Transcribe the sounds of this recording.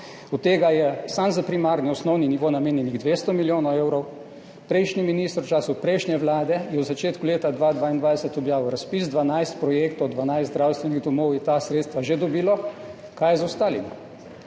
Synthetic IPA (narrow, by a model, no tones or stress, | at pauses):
ɔt̪t̪ːeːɡajɛsamzapɾimaːɾniɔsnɔwniniʋoːnameːnjɛniɣd̪ʋeːst̪ɔmiljoːnɔwewɾɔw | pɾɛjʃniminiːst̪ɾt͡ʃaːsupɾɛjʃnʲɛʋlaːd̪ɛjɛwzat͡ʃeːt̪kuleːt̪ad̪ʋaːd̪ʋaːind̪ʋajd̪ɛsɛt̪ɔbjaːʋuwɾaspisd̪ʋanajst̪pɾɔjeːkt̪ɔwd̪ʋanajzd̪ɾawst̪ʋɛniɣd̪ɔmɔwjɛt̪asɾeːt̪st̪ʋaʒed̪ɔbiːlɔ | kajɛzaʊst̪aːlimi